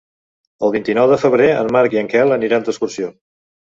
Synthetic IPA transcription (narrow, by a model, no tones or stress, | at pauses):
əlˠβ̞int̪inɔwðəfəβ̞ɾeə̰nmaɾkiəŋkɛlˠəniɾand̪uəskursio